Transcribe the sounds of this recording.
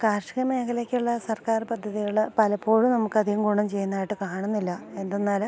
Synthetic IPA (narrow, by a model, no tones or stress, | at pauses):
kaːrʂi̥ɣɐme̞ːkʰɐlekʲːuɭːɐsɐrkaːrpɐd̪ʱːɐðijuɭɨpɐlɐpːo̞ːɻunɐmukːɐðijumɡuːɳɐmt͡ɕe̞jːunːaːjiʈːɨkaːɳunːilːɐe̞nd̪enːaːl